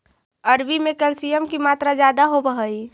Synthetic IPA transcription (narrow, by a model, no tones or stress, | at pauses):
əɾbimẽkəlsijəmkimaːt̪ɾad͡ʒjaːd̪aɦobəɦəi